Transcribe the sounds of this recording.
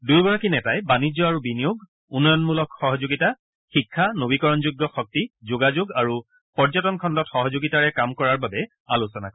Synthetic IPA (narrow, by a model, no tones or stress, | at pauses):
dujɡɔɹakinɛtajbanid͡ʑɔaɹubinijoɡ | unːɔjɔnmulɔkxɔɦɔzoɡita | xikʰːanobikɔɹɔnzuɡːɔxɔk̚tizoɡazoɡaɹu | pɔɹzɔtɔnkʰɔndɔtxɔɦɔzoɡitaɹɛkamkɔɹaɹbabɛ | alusɔna̰kɔ